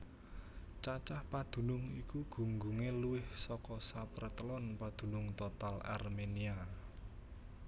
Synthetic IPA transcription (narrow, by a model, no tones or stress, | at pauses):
t͡ʃat͡ʃahpad̪̥ṳnʊŋikuɡ̥ṳŋɡuŋeluwɪhsɔkɔsapəɾət̪əlɔnpad̪̥ṳnʊŋt̪ot̪ala̰rmenia